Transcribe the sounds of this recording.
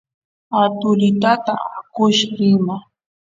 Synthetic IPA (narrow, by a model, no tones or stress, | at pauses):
at̪ʊlɪt̪at̪aakʊʃɾɪma